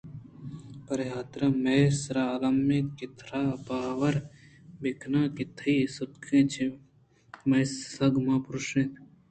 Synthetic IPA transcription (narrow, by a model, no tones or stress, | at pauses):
pɐɾjaːt̪ɾamesɾalɐmːẽːkɪt̪ʰɾaːbaːʋɐɾbɪkʰnãːkɪt̪ʰiːsut̪kʰẽːt͡ʃʰi | meːsɐɡmãːpɾuʃẽːt̪